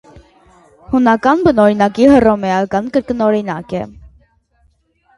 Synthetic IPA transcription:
hunɑkɑnbənɔɾinɑkihərɔmɛɑkɑnkəɾkənɔɾinɑ̰kɛ

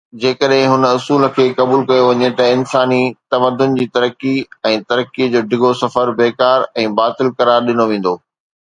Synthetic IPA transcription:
d͡ʑeːkəɗɦɪ̃ɦʊnʊsuːlə̆kʰeːkɐbuːlkɐjoʋɐɲet̪ɐɪnsaːnit̪ɐʋəd̪ːʊnɪ̆d͡ʑiːt̪ɐɾəkːiɛ̃ːt̪ɐɾəkːid͡ʑoːɖʱɪɡʱosɐfəɾbeːkaːɾɛ̃ːbaːt̪ɪlkɐɾaːɾɗɪnoʋẽːn̆d̪oː

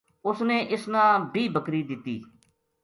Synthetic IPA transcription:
ʊsneːʔɪsnãːbʱiːbʱəkɾiːd̪ɪt̪ːiː

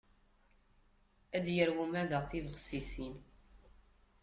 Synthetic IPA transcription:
æd̪jəɾwumæðəʁθivəʁsisin

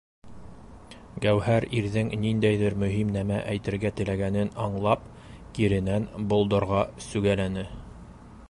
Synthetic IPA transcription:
ɡæwhæɾiɾðɘŋnind̪æjðɘɾmɵ̆ɦimnæmæʔæjt̪ɘ̆ɾɡæt̪ɘ̆læɡænɘnɑɴlˠɑp | kiɾɘ̆nænbŭlˠd̪ɤ̆ɾʁɑsʉɡælænɘ

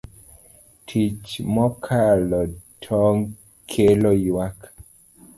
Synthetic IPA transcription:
tʰit͡ʃmɔkʰalɔtʰɔŋ | kʰelɔwak

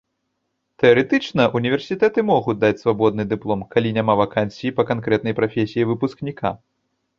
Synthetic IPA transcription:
t̪ɛɐɾɛt̪ɨt͡ʂnɐʔunʲivʲɛrsʲit̪ɛt̪ɨmɔɣud̪at͡sʲsvabɔd̪nɨd̪ɨplˠɔmkalʲinʲamavakansʲijipɐkankɾɛt̪nɐjpɾafʲesʲijivɨpusknʲikʰa̰

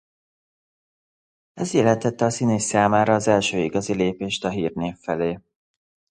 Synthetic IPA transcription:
ɛzjɛlɛnt̪ɛt̪ːɛɒsineːsːaːmaːɾɒːzɛlʃøːiɡɒzileːpeːʃt̪ɒɦiːrneːfːɛleː

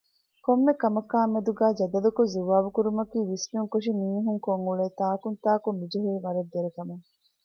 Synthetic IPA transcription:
komːekɐmɐkaːmːed̪uɡæːd͡ʒɐd̪ɐlukuzuʋaːʋukuɾumɐkiːʋismijuŋkuʂimiːɦuŋkoŋuɭeːt̪aːkunt̪aːkumːid͡ʒuɦiːʋɐɾɐd̪ːeɾekɐmuŋ

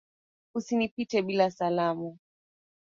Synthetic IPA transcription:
usinipitɛɓilasalamu

